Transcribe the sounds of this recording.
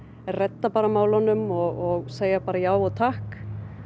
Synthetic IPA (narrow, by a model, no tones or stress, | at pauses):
ɛrɛt̪ːapaːɾamaːwlanːʏmɔɣɔɣseːjapaːɾajaːwɔt̪ʰahk